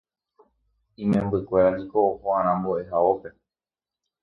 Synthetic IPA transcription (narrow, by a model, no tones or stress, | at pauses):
ĩmẽmbɨkʷe̞ɾad͡ʒikoːhoãɾ̃ãmboʔe̞ɦaope̞